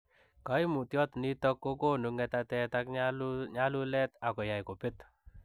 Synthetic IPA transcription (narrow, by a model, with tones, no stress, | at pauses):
ka˨˦i˦mu˨tjɔ˦tni˦tɔ˦kːo˦ko˦nu˨ŋɛ˧ta˧tɛ˦ta˦kɲɲa˦lu˦lɛ˦ta˨kɔ˨ja˨jko˨pɪ˦t